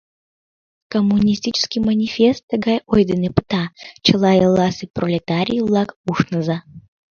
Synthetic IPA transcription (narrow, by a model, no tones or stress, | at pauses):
komːunʲisʲt̪ʲit͡ɕə̥skʲijmənʲifʲest̪ːəɣɑjojd̪ənepə̥t̪ɑt͡ɕəlɑjəlɑseprolʲet̪aɾʲijəvlɑkuʃnəzɑ